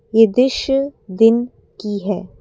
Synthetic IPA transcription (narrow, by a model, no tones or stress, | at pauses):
jed̪ɪʃəd̪ɪn | kiɦɛː